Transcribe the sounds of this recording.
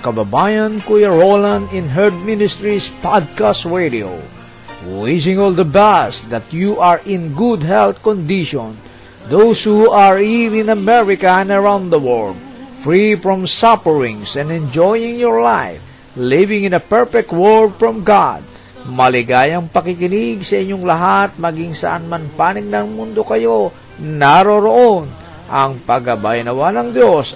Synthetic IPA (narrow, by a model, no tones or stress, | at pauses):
kababajãnkujaɹolãnɪ̃nɦɛɹd̪̚mɪnɪst̪ɹispad̪̚kastɹedio̰ | wɪʃɪ̃ŋɔld̪əbɛsd̪at̪juʔaɹɪ̃nɡud̪ɦɛlθkɔ̃nd̪iʃɔ̃n | d̪owshuaɹivɪ̃nɐmɛɹɪkaɛ̃nəɹãw̃nd̪d̪əwɔld̚ | fɹifɹɔ̃msapəɹɪ̃ŋsɛ̃nd̪ɛ̃nd͡ʒojɪ̃ŋjɔɹlajf | lɪvɪ̃ŋɪ̃nɐpɛɹfɛk̚t̪̚wɔldfɹɔ̃mɡa̰d̪̚ | mɐlɪɡaːjɐŋpɐkikɪniɡsɐɪɲːoŋlɐɦat̪̚mɐɡiŋsɐ̰ʔa̰nmɐnpaːnɪɡ̚nɐŋmund̪o̞kɐjo | naɾoɾoʔon | ʔɐŋpɐɡɐbajanɐwanɐŋd̪jos